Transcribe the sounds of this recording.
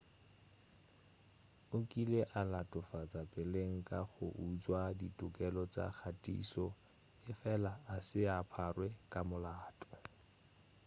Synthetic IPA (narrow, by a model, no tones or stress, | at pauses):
ʊkʼileʔalatʼʊfat͡sʼapʼɪleŋ̩kʼaχʊ̰ʔut͡swaditʼʊkʼɛlɔt͡sa̰k͡xʰatʼḭːsɔ | ɪfɛlaːsɪapʰarwɛkʼamʊlaːtʼɔ̥